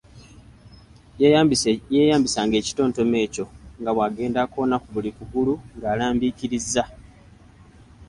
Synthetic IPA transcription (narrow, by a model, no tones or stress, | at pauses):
jeːjaːmbisaːŋɡe̞ːci̥to̞ːnto̞me̞ːco̞ŋɡaβwaːɡe̞ːndako̞ːnakuβulikuɡuluŋɡaːlaːmbiciɾizːa